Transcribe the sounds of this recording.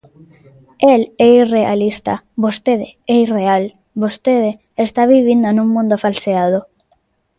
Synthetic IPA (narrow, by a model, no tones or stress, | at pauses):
ɛlɛirea̰list̪a̰βost̪eðeɛireal | βost̪eðe | est̪aβiβ̞ind̪onũŋmũnd̪ofalseað̞o